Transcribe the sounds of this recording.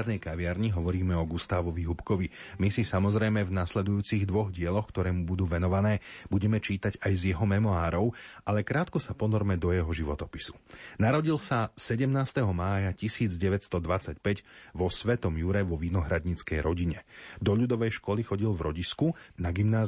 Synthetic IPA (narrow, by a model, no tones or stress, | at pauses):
ɾnɛjkaʋɪaɾɲiɦɔʋɔɾiːmɛɔɡust̪aːʋɔʋiɦupkɔʋi | misisamɔzɾɛjmɛvnaslɛd̪ujuːt͡siɣd̪ʋɔɣɟɪɛlɔxkt̪ɔɾɛːmubud̪uːʋɛnɔʋanɛːbuɟɛmɛt͡ʃiːt̪aɟajzjɛɦɔmɛmɔaːɾɔʊʔalɛkɾaːt̪kɔsapɔnɔɾmɛd̪ɔjɛɦɔʒiʋɔt̪ɔpi̥su̥naɾɔɟilsasɛɟɛmnaːst̪ɛɦɔmaːjacisiːd͡zɟɛʋɛcst̪ɔd̪ʋat͡sacpɛɟʋɔsʋɛt̪ɔmjuɾɛʋɔʋinɔɦɾad̪ɲit͡skɛjɾɔɟiɲɛd̪ɔʎud̪ɔʋɛjʃkɔlixɔɟilvɾɔɟiskunaɡimnaː